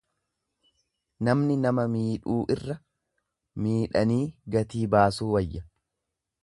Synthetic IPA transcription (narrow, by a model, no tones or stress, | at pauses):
nɐmnɪnɐmɐmiːᶑuːʔɪrːɐ | miːᶑɐniːɡɐt̪iːbaːsuːwɐjːɐ